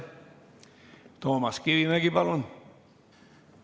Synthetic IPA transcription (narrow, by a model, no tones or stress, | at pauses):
t̪oːmɑskiʋimæɡ̥ipɑlon